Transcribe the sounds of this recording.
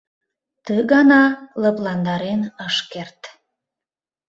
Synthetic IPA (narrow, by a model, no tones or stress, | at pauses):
t̪əɣɑnɑləplɑnd̪ɑɾenəʃkert̪